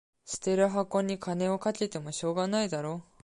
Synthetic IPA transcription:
ɕi̥t̪e̞ɾɯ̟ɦakːo̞ɲ̟ːikʰane̞o̞katit̪e̞mo̞ɕo̞ːɡanaid̪aɾo̞ː

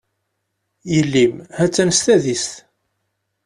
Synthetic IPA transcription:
jəlːimhæt͡sːænst̪æðist̪

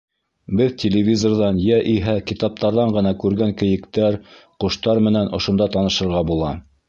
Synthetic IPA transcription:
bɘðtʲelʲɪvʲizorðɑnjæʔiɦækit̪ɑp̚t̪ɑɾðɑɴɢɤ̆nɑkʉɾɡæŋkɘ̆jɘ̆kt̪æɾqŏʃt̪ɑɾmɘ̆nænŏʃŏnd̪ɑt̪ɑnɤ̆ʃɤ̆ɾʁɑbulˠɑ

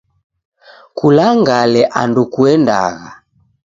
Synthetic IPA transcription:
kulaŋɡalɛʔandukuɛnda̰ɣa

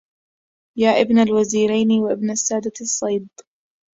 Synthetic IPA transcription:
jaːʔɪbnalwaziːɾajnɪwaʔɪbnasːaːd̪asˤːɑjd̪̚ˤ

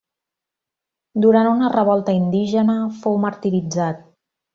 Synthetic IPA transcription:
d̪uɾanunərəβ̞ɔlˠt̪əind̪iʒənəfowməɾt̪iɾid͡zat̪̚

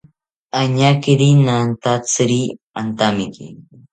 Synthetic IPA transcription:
aɲakiɾinant̪at͡sɾi | ant̪amɪkḭ

